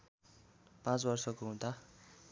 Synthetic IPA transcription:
pãt͡sbʌrsʌkoɦũt̪a

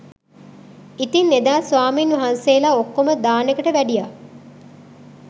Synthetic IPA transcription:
it̪inːed̪aːsʋaːminʋɐɦanseːlaːokːoməd̪aːnekəʈəʋæɖija

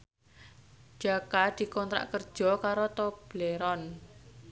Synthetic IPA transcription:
d͡ʒ̥akad̪̥i̤kɔnt̪ɾa̰ʔkərd̥ʒ̥ɔ̤kaɾot̪ɔb̥leɾɔn

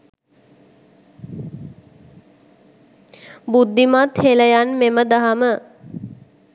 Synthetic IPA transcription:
bud̪ːimat̪heləjanmeməd̪aɦamə

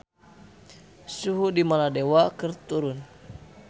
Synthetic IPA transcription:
suɦudimaladewakɨrt̪uɾun

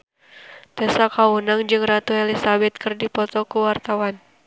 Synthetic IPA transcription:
t̪ɛsakaunaŋd͡ʒɨŋrat̪uelisabɛt̪̚kɨrdipɔt̪ɔkuwart̪awan

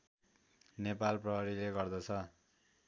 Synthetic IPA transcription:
nepalprʌɦʌɾileɡʌrd̪ʌt͡sʰʌ

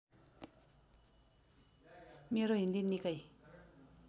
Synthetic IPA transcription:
meɾoɦind̪inːikaj

